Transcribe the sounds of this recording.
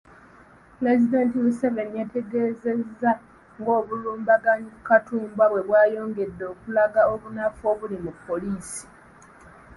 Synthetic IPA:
pɾe̞zideːntimuseve̞nijate̞ɡe̞ːze̞zːa | ŋɡo̞ːβuluːmbaɡaɲiukatuːmbaβwe̞βwaːjo̞ːŋɡe̞dːo̞ːkulaɡao̞βunafo̞βulimupːo̞liːsi̥

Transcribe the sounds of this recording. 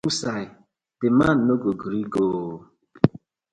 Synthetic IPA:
usaj | temanoɡoɡɾiɡoː

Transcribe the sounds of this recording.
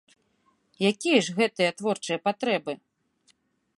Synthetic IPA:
jakʲijɐʐɣɛt̪ɨjɐt̪vɔrt͡ʂɨjɐpat̪ɾɛbɨ

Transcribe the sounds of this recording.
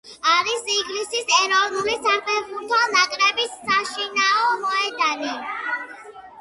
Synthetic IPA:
aɾisiɡlisisɛɾɔɾnulisaɾpʰɛχuɾt̪ʰɔnakʼɾɛbisːaʃinaɔmɔɛd̪ani

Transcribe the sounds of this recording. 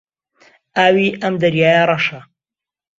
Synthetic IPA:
ʔaːwiːʔɐmd̪ɐɾjaːjɐrˤɐʃɐ

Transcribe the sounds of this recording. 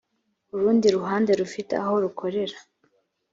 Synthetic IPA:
uɾuːndiɾuɦaːnde̞ɾufitea̰ho̞ɾukʰo̞ɾe̞ɾa

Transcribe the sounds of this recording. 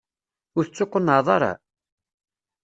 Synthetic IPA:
ʊɾθət͡sːʊqːənːʕðˤɑɾˤɑ̰

